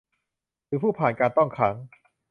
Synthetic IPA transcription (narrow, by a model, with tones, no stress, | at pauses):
ɾɯː˩˦˥pʰuː˥˩pʰaː˨˩nkaː˧nt̪ɔ˥˩ŋkʰa˦˥ŋ